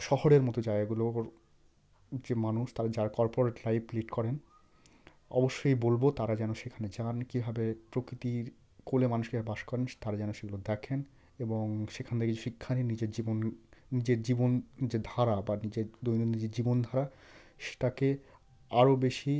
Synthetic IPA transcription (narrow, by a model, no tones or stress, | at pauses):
ʃɔɦoɾeɾmɔt̪od͡ʑaeɡaɡuloɾ | d͡ʑemanuʃt̪aɾad͡ʑaɾkɔɾpoɾeʈlajpliʈkɔɾen | ɔ̰boʃːojbolbot̪aɾad͡ʑɛnoʃekʰaned͡ʑankibʱabepɾokɾit̪iɾ | kolemanuʃkibʱabebaʃkɔɾent̪aɾad͡ʑɛnoʃeɡulod̪ɛkʰen | eboŋʃekʰanet̪ʰekeoʃikʰːaninid͡ʑeɾd͡ʑibonnid͡ʑeɾd͡ʑibond͡ʑed̪ʱaɾabanid͡ʑeɾd̪ojninid͡ʑeɾd͡ʑibond̪ʱaɾa | ʃe̥ʈake | aɾobeʃi